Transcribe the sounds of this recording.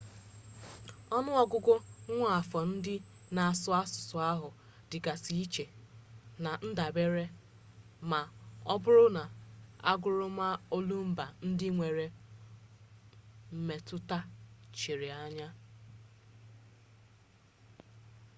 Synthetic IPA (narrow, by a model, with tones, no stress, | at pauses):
ɔ˦nʊ˦ɔ˦ɡʊ˦ɡʷʊ˦ŋʷa˦a˨fɔ˨n̩˦dɪ˦ | na˨a˨sʊ˦a˦sʊ̥˨sʊ˨a˦ɦʊ˨ | dɪ˨ɡa˨si˦i˦t͡ʃe˨na˨n̩˦da˨be˦ɾe˦ | ma˨ɔ˦bʊ˦ɾʊ˦na˨a̰˦ɡʊ˨ɾʊ˦ma˦o˦lu˦m̩˦ba˨n̩˦dɪ˦ŋʷe˨ɾe˨ | m̩˨me˨tʊ˦ta˦t͡ʃi˨ɾɪ˨a˨ɲa˦